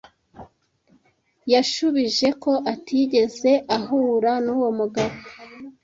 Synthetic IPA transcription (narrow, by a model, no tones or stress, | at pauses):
jaʃuβiʒe̞ko̞ʔatʰiɟe̞ze̞ʔaɦuɾanuːwo̞muɡaβo